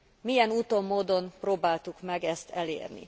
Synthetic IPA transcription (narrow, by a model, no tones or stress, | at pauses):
mijɛnuːt̪o̞mːoːd̪o̞mproːbaːlt̪ukmɛɡɛst̪ʰɛlḛːrnḭ